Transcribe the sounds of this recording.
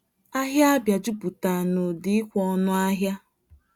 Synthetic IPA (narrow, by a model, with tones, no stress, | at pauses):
a˦ɦja˦a˦bja˨d͡ʒu˦pu˨ta˨no˨dɪ˦ɪ˦kʷɔ˦nʊ˦a˦ɦja˦